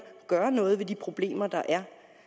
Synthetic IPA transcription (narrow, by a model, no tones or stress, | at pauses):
ɡ̥ɶːɐnɔ̽ːð̞̩ˠʋe̝d̥ipʰʁo̝b̥le̝̰ːmɐd̥ɑ̈ʔæɐ